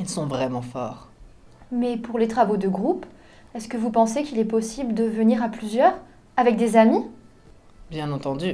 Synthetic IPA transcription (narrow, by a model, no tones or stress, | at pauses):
ilsɔ̃vʁɛmɑ̃fɔːʁ | mɛpuʁlet̪χavod̪əɡʁup | ɛskəvupɑ̃sekilɛpɔsibləd̪əvəniʁaplyzjœːʁ | avɛk̚d̪ezami | bjɛ̃nɑ̃t̪ɑ̃d̪y